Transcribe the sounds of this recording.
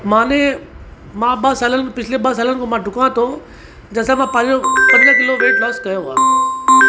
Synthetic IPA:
mãːne | mãːɓəsaːlənɪ̆pɪt͡ɕʰɪleɓəs̬aːlənɪkʰoːmãɖʱʊkãt̪ʰo | d͡ʑɐsãmãpɐ̃ɲd͡ʑopɐ̃ɲd͡ʑə̃k̬ɪloʋeːʈlɔːskɐjoɦa̰ː

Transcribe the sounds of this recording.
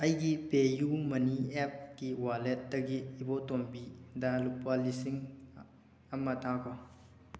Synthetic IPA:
ɐjɡipejumɐniɛp̚kiwalet̚dɐɡiibɔtombidaluk̚pːalisiŋ | ɐmɐtʰakʰɔ

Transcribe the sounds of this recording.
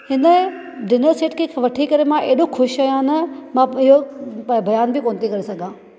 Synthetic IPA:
hɪnə | ɖɪnəɾseːʈkʰeːkʰʋɐʈʰikɐɾemãʔeːɗõxʊʃɐjãnɐmãɪɦobɐjaːnbɪkoːnt̪ikɐɾesɐɡʱãː

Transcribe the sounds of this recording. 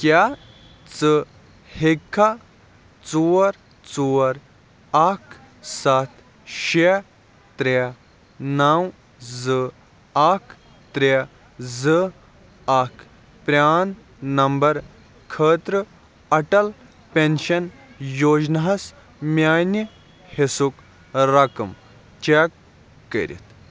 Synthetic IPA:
kjaː | t͡sɨ | hekʰːa | t͡suɐɾ | t͡suːɐɾ | akʰ | sat̪ʰ | ʃe | t̪ɾe | naːw | zɨ | akʰ | t̪ɾe | zɨ | akʰ | pɾʲaːn | nɐmbɐɾ | kʰəːt̪ɾɨ | ɐʈɐl | pʲenʃɐn | joːd͡ʒnaɦɐs | mʲjaːni | hesuk | ɾɐkɐm | t͡ʃekː | ə̰ɾʲḭt̪

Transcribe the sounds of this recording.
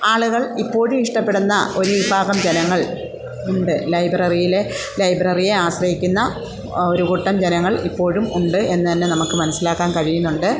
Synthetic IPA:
aːɭuɣɐɭipːo̞ːɻumiʂʈɐpːe̞ɽunːɐo̞ɾuʋibʱaːɡɐmd͡ʑenɐŋːɐɭ | uɳɖɨlɐjbrɐrijile̞ | lɐjbrɐrijeaːɕrɐhikʲːunːɐ | o̞ɾukuʈːɐmd͡ʑenɐŋːɐɭipːo̞ːɻumuɳɖɨe̞nːɨt̪ɐnːe̞nɐmukːɨmɐnɐsːilaːkːaːnkɐɻijunːuɳɖɨ

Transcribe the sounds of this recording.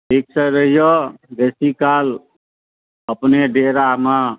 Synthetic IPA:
ʈʰiksəɾəɦijɔd̪esikal | əpneɖeɾama

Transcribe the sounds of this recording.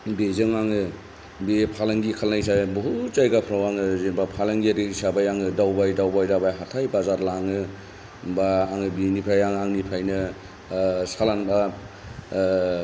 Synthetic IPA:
bezɯŋaŋɯ | bepʰalaŋɡikʰalnajis̬aebɔɦuzajɡapʰɾawaŋɯzebapʰalaŋɡiaɾiisabajaŋɯdawbajdawbajdabajɦatʰajbazaɾlaŋɯ | baːŋɯbinipʰajaŋaŋnipʰajnɯ | salanba

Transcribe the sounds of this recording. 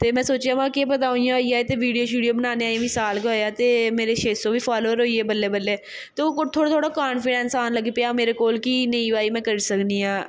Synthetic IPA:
t̪eːmɛ̃ːsoːt͡ʃaʋãːkepət̪ãːijãiaːet̪eʋiːɖijoːʃiːɖijoːbənaːneaːiẽmɪsaːlkɦoːjaːt̪eːmeːɾeʃeːsõːbiːpʰaːloːɾɦoːieːbəlːeːbəlːeː | t̪eːoːkʊt̪ʰoːɽaːt̪ʰoːɽakaːnfiɖɛ̃ːnsaːnləɡepejaːmeːɾekoːlkiːnẽĩːʋaːimɛ̃ːkəɾisəkniːãː

